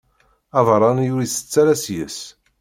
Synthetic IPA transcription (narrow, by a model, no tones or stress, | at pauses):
ɑðˤɾˤɑnjʊɾiθə̥t͡sːæɾæsjəs